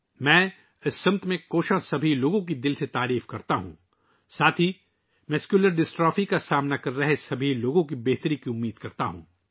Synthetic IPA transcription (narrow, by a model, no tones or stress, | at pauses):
mɛ̃ː | ɪsːɐmt̪mẽkoːʃãsɐbʱiloːɡõk̬id̪ɪlset̪aːɾiːfkɐɾt̪aɦṵ̃ː | saːt̪ʰi | mʊskjuləɾɖɪsʈɾɔːfikasaːmnakɐɾːɐɦesɐbʱiloːɡõkibeːɦt̪ɾikiʊmːiːd̪kɐɾt̪aɦṵ̃ː